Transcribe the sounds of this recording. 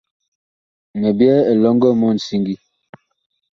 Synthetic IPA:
me˨bjɛ˦e˨lɔ˦ŋɡɔ˦mɔ˦˨n̩˨si˦ŋɡi˦

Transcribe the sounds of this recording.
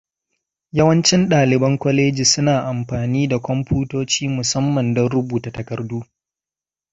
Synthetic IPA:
jɐ˦wɐ˦nt͡ʃɪ˦nɗaː˨lɪ˨bɐ˦ŋkʷɔ˦leː˦d͡ʒi˨sʊ˦naː˨ʔa˨mɸaː˨niː˦da˨kʷɔ˦mɸuː˦toː˦t͡ʃiː˦mʊ˨sɐ˦mːɐ˨ndɔ˦nɽʊ˦buː˨ta˨tɐ˨kɐ˨rduː˦

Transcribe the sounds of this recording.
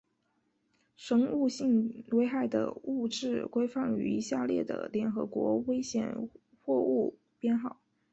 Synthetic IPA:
ʂɤ˧˥ŋu˥˧ɕi˥˩ŋwe˥ɪxa˥˩ɪd̪ə̰˩u˥˧ʈ͡ʂɻ̩˥˩kwe˥ɪfɑ˥˩ŋy̰˧˥˧ɕja˥˧ljɛ̰˥˩d̪ə̰˩ljɛ˧˥nxɤ̰˧˥kwɔ̰˧˥we˥ɪɕjɛ̰˨˩˦n | xwɔ˥˧u˥˩ | pjɛ˥˧nxɑ˥˩˦ʊ

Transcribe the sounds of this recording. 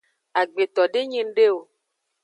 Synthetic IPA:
a˨ɡ͡be˨t̪ɔ˨ɖe˦ɲĩ˦n˦ɖe˦wo˨

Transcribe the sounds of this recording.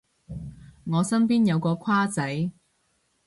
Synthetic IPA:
ŋɔː˨˧sɐ˥npiː˥njɐ˨˧wkɔː˧kʰaː˥t͡sɐ˨˥j

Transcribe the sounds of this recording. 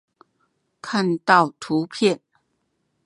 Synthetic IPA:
kʰa˥˧nt̪ɑ˥˩ʊt̪ʰu˨˧˥pʰjɛ˥˨n

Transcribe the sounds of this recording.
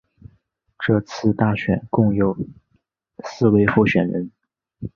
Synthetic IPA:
ʈ͡ʂɤ˥˧t͡sʰɹ̩˥˧t̪a˥˩ɕɥɛ̰˨˩˦nkʊ˥˩ŋjo˨˩ʊ | sɹ̩˥˧we˥˧ɪfu˥˩ɕɥɛ˨˩nɻə̰˧˥n

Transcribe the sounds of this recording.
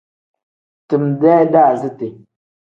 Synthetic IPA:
tɨ˨mdɛ˦da˦˨zi˦te˨

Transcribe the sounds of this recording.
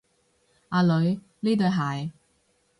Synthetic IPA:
aː˧lɵ˨˧ɥ | liː˥t̪ɵ˨˧ɥɦaː˨j

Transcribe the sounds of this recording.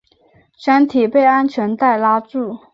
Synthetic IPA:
ɕa˥nt̪ʰi˨˩pe˥˩ɪa˥nt͡ɕʰɥɛ˧˥nt̪a˥˩ɪla˥ʈ͡ʂu˥˩

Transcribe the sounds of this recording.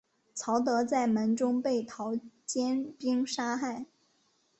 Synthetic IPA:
t͡sʰɑ˧˥ʊt̪ɤ˧˥t͡sa˥˩ɪmə˧˥nʈ͡ʂʊ˥ŋpe˥˩ɪt̪ʰɑ˧˥ʊt͡ɕjɛ˥npi˥ŋʂa˥xa˥˩ɪ

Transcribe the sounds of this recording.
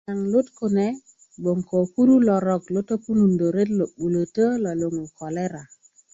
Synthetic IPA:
na˨ŋlʊ˦tko˨nɛ˨ | bo˨ŋko˨ku˦ɾu˦lɔ˨ɾɔ˨klo˦to˦pu˦nu˨ndo˨ɾe˦tlo˨ɓu˨lo˨tə˦la˨lo˨ŋu˨kɔ˨lɛ˦ɾa˨

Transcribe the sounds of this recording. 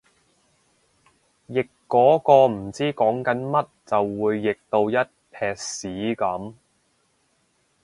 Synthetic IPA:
jɪ˨kːɔː˨˥kɔː˧m̩˨˩t͡siː˥kɔː˨˥ŋkɐ˨˥nmɐ˥t̚t͡sɐ˨wːuː˨˧jːɪ˨k̚t̪o˧wjɐ˥t̚pʰɛː˨k̚siː˨˥kɐ˨˥m

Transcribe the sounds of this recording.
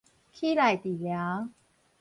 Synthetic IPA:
kʰi˥˨la˨˩jt̪i˨˩lja˨˦

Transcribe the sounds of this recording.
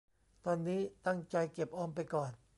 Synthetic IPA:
t̪ɔː˧nːiː˦˥t̪a˥˩ŋt͡ɕa˧jke˨˩p̚ʔɔː˧mpa˧jkɔː˨˩n

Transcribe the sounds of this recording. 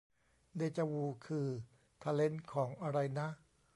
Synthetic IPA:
deː˧t͡ɕa˧wuː˧kʰɯː˧ | t̪ʰaː˧le˦˥nkʰɔː˩˦ŋʔa˧ɾa˧jna˦˥ʔ

